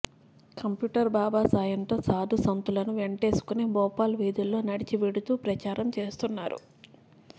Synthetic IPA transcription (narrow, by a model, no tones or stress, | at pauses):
kɐmpjuːʈɐɾbaːbaːsaːjɐnt̪oːsaːd̪ʱusɐnt̪ulɐnuʋe̞ɳʈe̞ːsu̥kunebɔːpaːlʋiːd̪ilːo̞ːnɐɽit͡ʃiʋeɽut̪uːpɾɐt͡ʃaːɾɐmt͡ʃe̞ːst̪unːaːɾṵ